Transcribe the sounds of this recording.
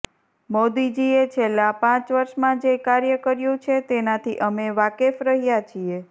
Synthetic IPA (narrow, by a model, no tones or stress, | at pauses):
mod̪id͡ʒiet͡ʃʰelːapãt͡ʃʋəɾʃmãd͡ʒekaɾjəkəɾjũt͡ʃʰet̪enat̪ʰiʔəmeʋakefɾəɦijat͡ʃʰie